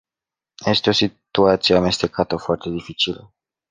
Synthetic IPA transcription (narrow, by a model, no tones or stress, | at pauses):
je̞st̪eo̞sit̪uat̪sieame̞st̪e̞kat̪əfoart̪e̞d̪ifit͡ʃilə̰